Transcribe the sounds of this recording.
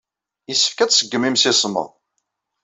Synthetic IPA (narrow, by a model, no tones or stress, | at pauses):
isːə̥fkæt͡ssəɡːəmimsɪsˤmə̰ð